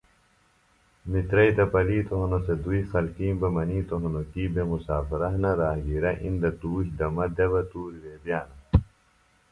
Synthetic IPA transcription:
mit̪ɾɐit̪ɐpɐliːt̪oɦɐnosed̪uixɐlkĩːbɐmɐniːt̪oɦɐnokiːbemusaːfɐɾɐɦnɐɾaːɦɡiɾɐʔḭnd̪ɐt̪uːɕd̪ɐmɐd̪ɐbɐt̪uːɾʋeːbijaːnɐ

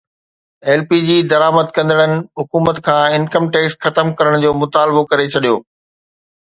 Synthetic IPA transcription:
ɛːlpiːd͡ʑiːd̪ɐɾaːməd̪kɐ̃nd̪əɽ̃ənɪ̆ɦʊkuːmət̪kʰãːɪnkəmʈeːksxɐt̪əmkɐɾəɽ̃d͡ʑoːmʊt̪aːlbokɐɾet͡ɕʰɐɗijoː

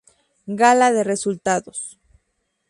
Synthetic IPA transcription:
ɡalaðe̞result̪aðos

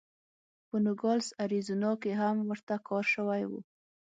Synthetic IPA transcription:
pənuɡɑlsaɾizunɑkeɦamwəɾt̪akɑɾʃəwajwṵ

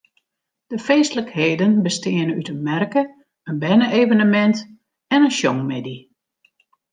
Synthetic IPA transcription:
d̥əfeːstləkheːdənbəstɪənəytənmɛrkə | ənbɛnəʔeːvənəmɛnt | ɛnənʃjɔŋmedi

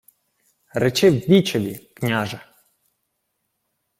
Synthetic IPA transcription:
ɾet͡ʃɪwbʲit͡ʃɔʋʲiknʲaʒɛ

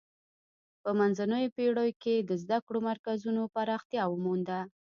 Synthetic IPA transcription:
pəmanzanəjopeɽəjoked̪əzd̪akɽomaɾkazunopaɾɑxt̪jɑwəmund̪a

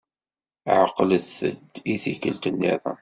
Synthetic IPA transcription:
ʕəqːləθə̰d̪iθikəlt̪ənːiðˤə̰

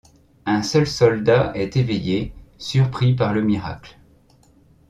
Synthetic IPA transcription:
ɛ̃sœlsɔld̪aʔɛt̪evejesyʁpχipaʁləmiʁa̰kl

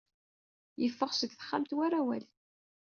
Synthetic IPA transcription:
jəfːəʁsəd̪θə̥χːamt̪waɾawæ̰l

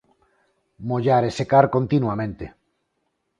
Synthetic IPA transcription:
moʎaɾesekaɾkont̪inwamẽnt̪e

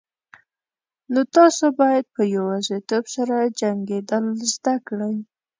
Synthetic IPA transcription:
not̪ɑsobɑjad̪̚pəjawɑzit̪obsaɾad͡ʒaŋɡed̪əlzd̪akɽəj

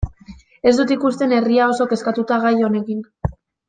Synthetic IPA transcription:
e̞zd̪ut̪ikust̪e̞ne̞riao̞so̞ke̞skat̪ut̪aɣajo̞ne̞kin

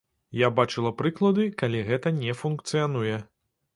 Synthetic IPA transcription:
jabat͡ʂɨlˠɐpɾɨklˠɐd̪ɨkalʲiɣɛt̪ɐnʲɛfunkt̪sɨjanujɛ

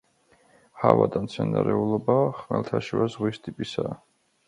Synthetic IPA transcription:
havad̪amt̪sʰɛnaɾɛulˠɔbaχmɛlˠt̪ʰaʃivazʁwist̪ʼipʼisaː

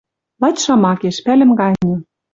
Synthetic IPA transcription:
lɑt̪ʲʃɑmɑkeʃpælɘ̆mɡɑnʲɤ̆

